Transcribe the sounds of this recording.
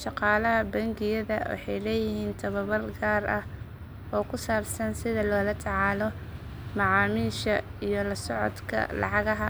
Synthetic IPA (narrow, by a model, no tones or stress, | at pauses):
ʃɑqɑːlɐɦɐbɐŋɡɪjɐðɐwɑ̰ħɑjlɛːjɪhiːnt̪ʰɐβɐβɐlɡaːrɐh | ɔːkʰʊsaːbsɐnsɪðɐlɔːlɐt̪ʰɑʕɑːlɔ | mɑʕɑːmiːʃɐijɔlɐsɔʕɔ̰d̪kʰɐ̰lɑ̰ʕɑɣɐɦɐ